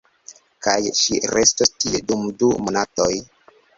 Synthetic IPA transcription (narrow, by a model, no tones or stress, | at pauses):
kajʃiɾestostiedumdumonatoj